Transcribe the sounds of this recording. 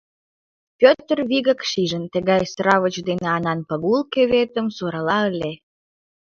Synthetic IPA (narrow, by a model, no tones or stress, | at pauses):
pʲøt̪ərβiɣə̆kʃiʒənt̪ə̆ɣɑjsɾɑβət͡ɕd̪eneɑnɑnpəɣulkeβet̪ə̆msoɾɑlɑəlʲe